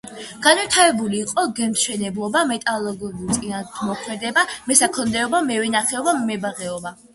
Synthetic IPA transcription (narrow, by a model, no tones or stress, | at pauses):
ɡ̥anwit̪ʰavɛbuliːqʼɔɡɛmʃɛnɛblˠɔbamɛt̪ʼalˠɔɡɔbut̪sʼinamɔkʰmɛd̪ɛbamɛsakʰɔnd̪ɛɔbamɛvɛnaχɛɔbammɛbaʁɛɔba